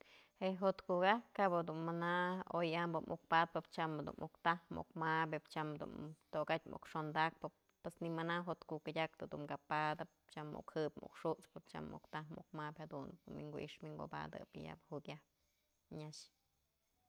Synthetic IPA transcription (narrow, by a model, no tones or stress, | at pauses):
heʔɦot̪kuɡakabad̪unmanaojambɨmʔuk̚pat̪̚pɨp̚t͡ʃamad̪ṵnʔukt̪ahmṵkmabʲɨpt͡ʃamd̪ṵnt̪okat̚ʲmṵkʂond̪ak̚pɨ | pːwesnimɨnaɦot̪kukɨdʲak̚t̪ɨd̪umkapad̪ɨp̚t͡ʃamːṵkhɨpmṵkʂut͡spɨp̚t͡ʃa̰mʔṵkt̪amṵk̚mapʲhad̪unːiŋɡuʔiʂmiŋɡo̰ba̰d̪ɨ̰pja̰bhukʲahp̚ | ɲaʃ